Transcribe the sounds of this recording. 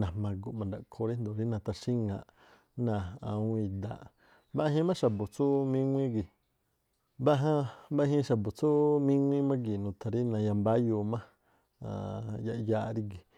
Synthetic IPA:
nã˨mã˧ɡu˧ʔmã˨nd̪a˨ʔkʰo˧ɾi˦nd̪o˨ɾi˦nã˧t̪a˧ʃi˦ŋã˧˨ʔ | nã˨a˧ũ˧ĩ˧d̪a̰˨ʔ | ba˦˧˦ɦĩ˦mã˦ʃa˨bo˨t͡su˦mĩ˦ŋʷĩ˦ɡi˨ | ba˦ɦã˧ba˦ɦĩ˧˦ʃa˨bo˨t͡su˦mĩ˦ŋʷĩ˦mã˦ɡi˨nũ˨t̪ʰa˧ɾi˦nã˧ja˧mba˦ju˧mã˦ | a̰˨ja˧ʔja˧ʔɾi˧ɡi˨

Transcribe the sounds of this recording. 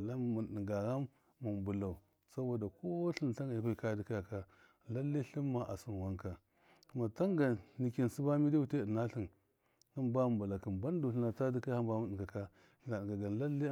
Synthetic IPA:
la˦mu˨nɗi˨ŋɡa˨ɣa˦mː | u˨m˨bu˨la˨u˨ | sa˦bo˨da˨ko˦ɬi˦n˨a˦ŋɡa˨jʷu˦ka˦di˨ka˦ja˨ka˦ | la˦lːi˦ɬi˦mːa˨ʔa˨su˦nwa˦ŋka˨ | ku˨˦ma˨ta˦ŋɡa˨ni˨ki˨n˨si˦ba˦mi˦di˦wu˨te˦˨ə˨na˦ɬi˨n | hə˦nba˦˨bu˨la˨kə˨nba˦n˦du˨ɬə˦na˨ta˦di˦ka˦a˦mba˦mu˨n˨ə˨ɡa˨ka˦˨ | na˨ŋɡa˨ɡa˨n˨la˦lːi˦

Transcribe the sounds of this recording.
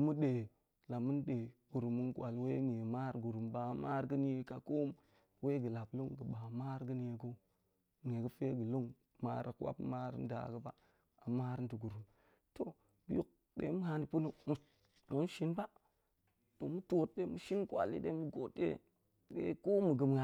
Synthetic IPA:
mu˦ɗe˨ | la˨mu˦nɗe˨ɡ̥u˨ɾu˨mu˦nkʷa˨lwe˦ŋe˨ma˦ɾɡu˨ɾu˨mba˨ma˦ɾɡə˦n˦e˨ka˨ko˦m | we˦ɡə˨la˨blo˦ŋɡə˨ɓa˨ma˦ɾɡə˦n˦e˨ɡo˦ | ŋe˨ɡə˦fe˦ɡə˨lo˦ŋ | ma̰˦ɾa˨kwa̰˦pma˦ɾ̰n˦da̰˨ɡə˦ba̰˨ | a˨ma˦ɾnti˨ɡu˨ɾu˨m | to˨ | bi˦u˨k̚ | ɗḛ˨˦mu˦ha˦ni˨pu˦nu˦m˨ | mu˦nʃi˦nba˦ | to˨mu˦to˦t̚de˦mu˨ʃi˦nkʷa̰˨lḭ˦ɗe˦mu˦ɡo˨tːḛ˦ | ɗḛ˦ko˦mu˨ɡə˨m˨a˨

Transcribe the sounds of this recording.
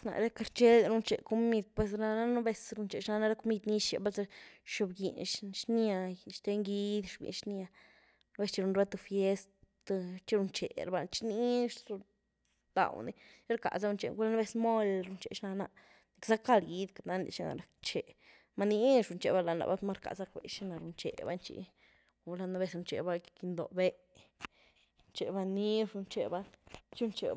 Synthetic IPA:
sna̰˨ɾe˦ka˧ɾt͡ʃe˦la˧ɾu˧nt͡ʃḛ˨ko˧mi˧d̪̚pwe˧s̬ɾa˧na˦nu˦be˧sɾu˧nt͡ʃe˨ʃna˧na˧ɾa˦ko˧mi˧d̪ni˦ʃḛ˨ba˦lza˧ʃo˧bɡḭ˨nʃʃni˦a˧ʃt̪e˧˦ŋɡi˧˦d̪ʃbḭ˨nʃni˧a˧ | n˦be˧st͡ʃi˧ɾu˧nɾwe˦t̪u˧fje˦st̪ | t̪t͡ʃi˦ɾu˧nt͡ʃḛ˨ɾa˧ba˧˨lt͡ʃi̥ni˦ʂu˧ | d̪a̰˨wni˨˦ɾka̰˨za˦ɾu˧nt͡ʃe˨ɡu˦la˦na˦be˦smo˦lɾu˧nt͡ʃe˨ʃna˧na˧ʔ | ni˨ksa˦ka˦˧lɡi˧d̪ka˨na˦nḭ˧˨ʃi˦na̰˨ɾa˨kt͡ʃe˨ | ma˦ni˦ʂɾu˧nt͡ʃe˨ba˦la˧na̰˨ba˦ma˦ɾka̰˨za˦kbḛ˨ʃi˦na˨ɾu˧nt͡ʃḛ˨ba̰˦nt͡ʃḭ˧ | u˧la˧na˦be˧sɾu˧nt͡ʃe˨ba˦ki̥˧ki˧nd̪o̰˨be˦˧ | nt͡ʃe˨ba˧ni˦ʂɾu˧nt͡ʃe˨ba˦t͡ʃi˦u˧nt͡ʃḛ˨

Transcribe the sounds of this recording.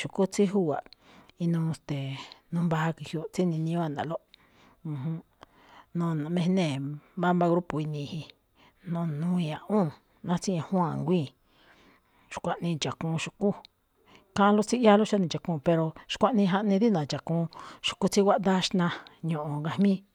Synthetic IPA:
ʃu˨ku˦t͡si˦ɦu˦a̰˨i˧nũ˧st̪e˨nũ˧˦mba˧˦˧ki˧hjo˧t͡si˦nĩ˧nĩ˧õ˦a˦˧˨nã̰˨lo˦ | ũ˧ɦũ˧ | nõ˧˨nã˨mẽ˧˦nẽ˦˨ba˦mba˦˧ɣɾu˦po˨i˧nĩ˧hi˧ | nõ˦˨nũ˧˦ĩ˧ã˨ũ˦˨ | nã˦t͡sĩ˦ã˧hũ˦ã˧˨ŋɡʷĩ˦˨ | ʃkʷa˧ʔnĩ˧t͡ʃa˨kũ˧ʃu̥˧ku˦ | kã˦˧lo˦t͡si˦ja˦lo˦ʃa˦nĩ˧˨t͡ʃa˨kũ˧pe˧ɾo˧ʃkʷa˦ʔnĩ˧ɦa˧ʔnĩ˧ði˦nã˨t͡ʃa˨kũ˧ʃu̥˧ku˧t͡si˦wʷa˦ʔnd̪a˦ʃnã˧ɲõ˧ʔõ˨ŋɡa˧hmĩ˦

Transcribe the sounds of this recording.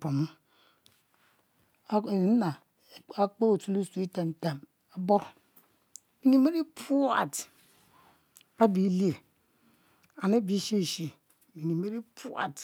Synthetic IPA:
po˨m˦ | e˨i˨n˦na˨ | a˦k͡po˦o˨tu˦lu˦si˦ta˨n̩˨ta˨m | a˨bo˦ | mi˨ɲi˦me˦ɾi˦pu˦a̰˨t | a˦bi˨˦li˦e˨ | a˨ne˦bi˨˦ʃe˦˨ʃi˦ | mi˨ɲi˨me˦ɾi˦pu˦a̰˨t

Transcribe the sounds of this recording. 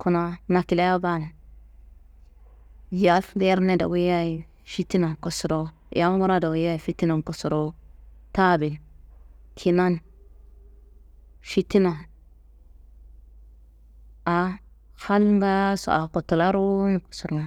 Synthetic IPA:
ku˨na˦na˨ki˨la˦ja˦ba˦˨na˨ | ja˦lde˦ɾne˦˨da̰˨we˦ja˦i˨ | ʃi˦ti˦na˨ko˨su˨ɾo̰˦˨ | ja˦ɡu˦ɾa˦da˨we˦ja˦i˨fi˦ti˦na˨n˨ko˨su˨ɾo˦ta˦bi˨l | kʰi˨na˦n | fi˦ti˦na˨ | a˨ | ha˦lɡa˦so̰˨ʔa˨ko˨to˨la˦ɾu˦ni˨ku̥˨su˨ɾna˨

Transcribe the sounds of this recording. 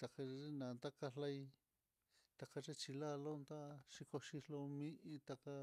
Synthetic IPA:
t̪a˨ka˧i˦nã˨nt̪a˦ka˧la˧j | t̪a˨ka˧ʐe˦t͡ʃi˧la˦lo˦nt̪a˦ʃi˧ko˧ʃi˧lo˧mĩ˦ʔi˧t̪a˧ka˧

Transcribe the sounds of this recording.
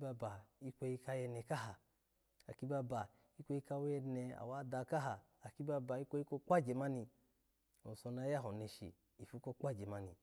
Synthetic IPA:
ba˧ba˨i˦kʷo˧i˧ka˧jɛ˧ne˧˨ka˦ɦa˨ | a˨ki˦ba˧ba˨ | i˦kʷo˧i˧˦ka˧˦we˧ne˧a̰˨wa˦da˧ka˦ɦaː˨ki˦ba˧ba˨i˦kʷo˧˦i˦ko˧k͡pa˦d͡ʒe˨ma˧ni˧ | o˨so˧na˧ja˦ɦo˨ne˧ʃḭ˨ | i˨fu˦ko˧k͡pa˦d͡ʒe˨ma˧ni˧

